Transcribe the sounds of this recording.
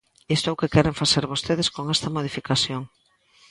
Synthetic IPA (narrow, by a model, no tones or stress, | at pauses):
est̪oowkekɛɾeɱfaseɾβost̪eð̞eskoŋɛst̪ɐmoð̞ifikasjoŋ